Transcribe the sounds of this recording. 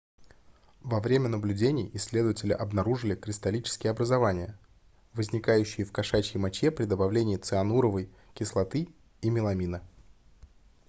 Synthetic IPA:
vɐvɾʲemʲənəblʲʉdʲenʲɪjɪsʲlʲe̞d̪əvətʲɪlʲɪ̰ʔɐbnɐɾuʐɨlʲɪkɾʲɪst̪ɐlʲit͡ɕɪ̥skʲɪjəɐbɾəzɐvanʲɪjə | vəzʲnʲɪkajʉɕːɪjɪfkɐʂat͡ɕɪjmɐt͡ɕepɾʲɪd̪əbɐvlʲenʲɪːt̪sɨɐnuɾəvəj | kʲɪslˠɐt̪ɨ | imʲɪlˠɐmʲinə

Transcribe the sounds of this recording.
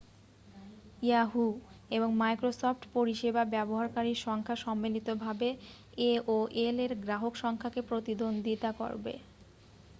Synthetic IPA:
jaɦueboŋmajkɾosofʈpoɾiʃebabɛboɦaɾkaɾiʃɔŋkʰaʃɔmːilit̪obʱabe | eoʔeleɾɡɾaɦokʃɔŋkʰakepɾot̪id̪ond̪ʱit̪ako̰ɾbḛ

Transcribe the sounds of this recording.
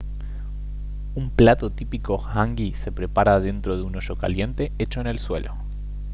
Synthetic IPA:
umplat̪o̞t̪ipiko̞xaŋɡise̞pɾe̞paɾað̞e̞nt̪ɾo̞ð̞euno̞ʃo̞ka̰lje̞nt̪e̞et͡ʃo̞ene̞lswe̞lʔo̞̰

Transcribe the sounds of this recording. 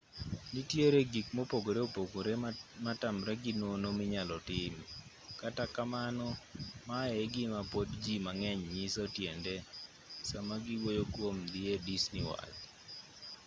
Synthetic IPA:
nitjeɾeɡikmopoɡoɾeopoɡoɾematamɾɛɡɪnonomɪɲalɔtɪm | katakamanɔmaeɡɪmapotd͡ʒimaŋɛɲɲisotjende | samaɡɪwojokwomd̪iedisniwa̰d

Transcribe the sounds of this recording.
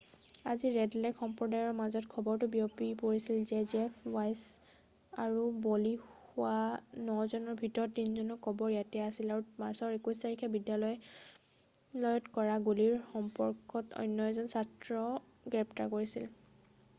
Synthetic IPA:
aziɹɛdlɛkxɔmpɹɔdajɔɹmazɔtkʰɔbɔɹtʊbiopipoɹisilzɛzɛpʰwajs | aɹubɔlixʊwanɔzɔnɔɹbʱitɔɹɔtːinzɔnɔkʰːɔbɔɹjatɛasilaɹumaɹsɔɹekustaɹikʰɛbidjalɔj | lɔjɔtkɔɹaɡuliɹxɔmpɔɹkɔtɔ̰jnːɔɛzɔnsatɹɔ | ɡɹɛpta̰koɹisḭl

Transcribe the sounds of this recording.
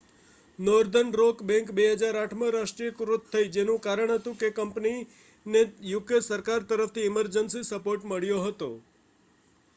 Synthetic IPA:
nɔɾd̪ʱənɾokbɛ̃ŋkbeɦəd͡ʒaɾaʈʰməɾaʂʈɾiəkɾut̪ʰːəid͡ʒenũkaɾəɳɦət̪ũkekəmpni | nejuɡəsəɾkaɾt̪əɾəft̪ʰiɪməɾd͡ʒənsisəpoɾʈməɭjoɦət̪o

